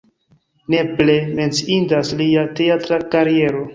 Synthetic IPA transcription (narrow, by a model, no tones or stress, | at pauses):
ne̞ple̞me̞nt͡siindasliateatɾakaɾie̞ɾo̞